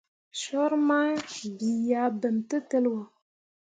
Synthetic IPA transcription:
ʃɔ˦ɾma˦bi˨ja˨˦bə˨mtə˦tə˦lwə˨

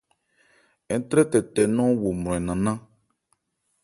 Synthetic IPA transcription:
ɛ˨˦t̪ɾɛ˦t̪ɛ˨t̪ɛ˨nɔ̃˦wo˨mɾ̃ɔ̃˨ɛ˨nã˨nã˦

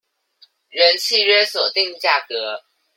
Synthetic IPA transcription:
ɻə˧˦˥nt͡ɕʰi˥˧ɥɛ˥˧swɔ˨˩t̪i˥˧ŋt͡ɕja˥˩kɤ˧˥

